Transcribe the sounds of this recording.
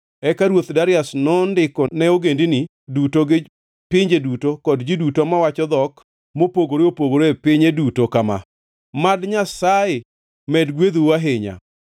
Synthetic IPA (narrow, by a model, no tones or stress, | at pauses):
ɛkaɾwot̪daɾɪasnɔndɪkɔnɛoɡendini | dutoɡɪ | pɪɲd͡ʒedutokɔdd͡ʒidutomawat͡ʃɔd̪ɔk | mopoɡoɾeopoɡoɾoepɪɲedutokama̰ | madɲasaje | mɛdɡwed̪uaɦɪɲa̰